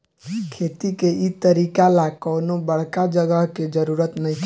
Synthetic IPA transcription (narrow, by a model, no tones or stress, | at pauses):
kʰet̪ikeʔit̪əɾikalakəwnobəɽ̤kad͡ʒəɡəɦked͡ʒəɾuɾət̪nəjkʰ